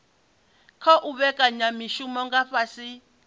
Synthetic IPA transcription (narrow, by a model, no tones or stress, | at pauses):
kʰɔʔuβɛkʼaɲamiʃumɔŋɡaɸasi